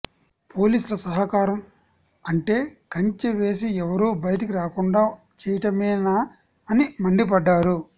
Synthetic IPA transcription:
po̞ːliːsulɐsɐɦɐkaːɾɐm | ɐɳʈe̞ːkɐɲt͡ʃeʋe̞ːs̬iɛʋɐɾuːbɐjɐʈ̬ik̬iɾaːkuɳɖaː | t͡ʃɛːjɐʈɐmɛːnaː | ɐnimɐɳɖip̬ɐɖːaːɾu

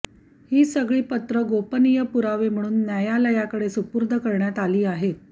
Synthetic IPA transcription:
hiːsəɡɭiːpət̪ɾəɡopənijəpuɾaʋem̤əɽ̃uːnːjajalajakəɽesupuɾd̪ʱəkəɾɳjat̪aliːaɦet̪̚

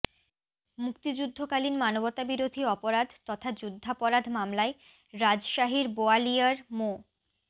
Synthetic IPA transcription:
mukt̪id͡ʑud̪ʱːokalinmanobot̪abiɾod̪ʱiɔpoɾad̪ʱt̪ɔt̪ʰad͡ʑud̪ʱːapoɾad̪ʱmamlae | ɾad͡ʑʃaɦiɾboalijaɾmo

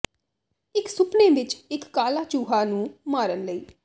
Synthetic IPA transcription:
ɪksʊpneːʋɪt͡ʃɪkːaːlaːt͡ʃuːɦaːnũːmaːɾənləiː

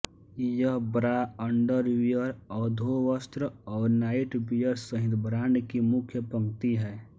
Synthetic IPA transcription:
jəɦbɾaə̃ɳɖəɾʋijəɾɔːd̪ʱoʋəst̪ɾəɔːɾnaːɪʈbijəɾsəɦɪ̃d̪bɾãːɳɖkimʊkʰjəpɐ̃ŋɡt̪iɦɛː

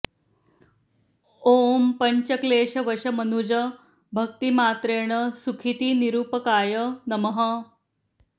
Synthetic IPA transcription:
ompəɲt͡ɕəkleːɕɐʋəɕɐmənud͡ʑɐ | bʱɐk̚t̪imaːt̪ɾeːɳ̃əsukʰit̪iːniɾuːpəkaːjənɐməɦɐ

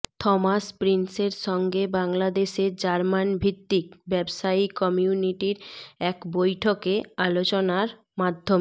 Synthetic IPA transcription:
t̪ʰɔmaspɾinseɾʃɔŋɡebaŋlad̪eʃeɾd͡ʑaɾmanbʱit̪ːikbɛbʃaikɔmiuniʈiɾɛkbojʈʰokealot͡ɕonaɾ | mad̪ʱːom

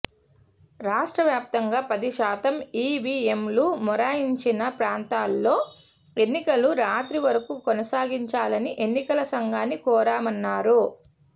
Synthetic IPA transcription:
ɾaːʂʈɾɐʋjaːp̚t̪ɐŋɡaːpɐd̪iʃaːt̪ɐmiːʋiːemlumɔɾaːjiɲt͡ʃinɐpɾaːnt̪aːlːo̞ː | e̞nːikɐluɾaːt̪ɾiʋɐɾɐkukɔnɐsaːɡiɲt͡ʃaːlɐniʔe̞nːikɐlɐsɐŋɡaːnːikɔːɾaːmɐnːaːɾu

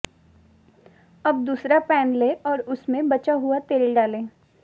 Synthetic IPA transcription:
ɐb̚d̪uːsɾapɛːnleːʔɔːɾʊsmẽbɐt͡ʃaɦʊat̪eːlɖaːlẽː

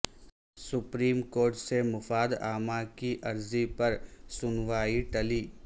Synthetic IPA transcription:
sʊpɾiːmkoːɾʈsemʊfaːd̪aːmakiʔɐɾzipɐɾsʊnʋaːiʈɐliː

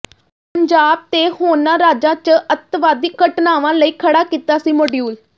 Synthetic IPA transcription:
pəɲd͡ʒaːb̚t̪eːhoːnãːɾaːd͡ʒãːt͡ʃəət̪ʋaːd̪ɪkːəʈnaːʋãːləiːkʰəɽaːkiːt̪aːsiːmoɖjuːl

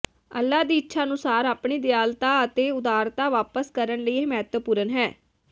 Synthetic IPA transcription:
ə̰lːaːd̪iːɪtːʃʰaːənʊsaːɾaːpɳiːd̪ɪjaːlt̪aːət̪eːʊd̪aːɾt̪aːʋaːpəskəɾəɳləiːemɛːt̪ʋəpuːɾənɦɛː

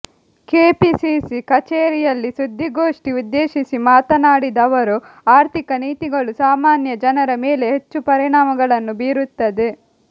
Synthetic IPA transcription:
keːpisisikɐt͡ʃeːɾijɐlːisud̪ʱːiɡo̞ːʂʈiud̪ːeːʃisimaːt̪ɐnaːɽid̪ɐʋɐɾu | aːɾt̪ʰikɐniːt̪iɡɐɭusaːmaːnjɐd͡ʒɐnɐɾɐmeːle̞ɦet͡ʃːupɐɾiɳaːmɐɡɐɭɐnːubiːɾut̪ːɐd̪e̞

